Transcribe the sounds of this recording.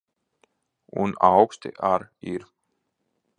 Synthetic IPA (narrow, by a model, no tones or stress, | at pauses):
ṵnawkst̪ɪ̰ʔaɾiɾ